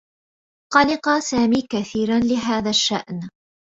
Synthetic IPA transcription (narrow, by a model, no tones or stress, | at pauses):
qɑlɪqɑsaːmiːkaθiːɾanlɪɦaːðaʃːaʔn